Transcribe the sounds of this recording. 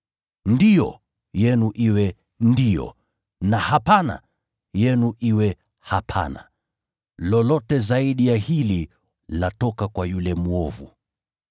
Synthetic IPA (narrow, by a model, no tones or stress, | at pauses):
ndijɔ | jɛnuʔiwɛ | ndijɔ̰ | nahapana̰ | jɛnuʔiwɛ | hapʰa̰na̰ | lɔlɔtɛzaiɗijahili | latɔkakwajulɛmuɔvu